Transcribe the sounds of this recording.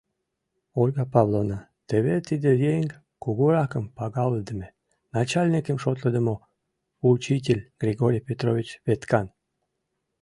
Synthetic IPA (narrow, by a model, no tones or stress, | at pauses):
olʲɣɑpɑβlˠonət̪eβet̪id̪ejeŋʲ | kuɣuɾɑkəmpɑɣɑləd̪əme | nɑt͡ɕɑlʲnikəmʃot̪ləd̪əmo | ut͡ɕit̬ʲelʲɡ̥rʲiɣoɾʲijpʲet̪rovʲit͡ɕβet̪kɑn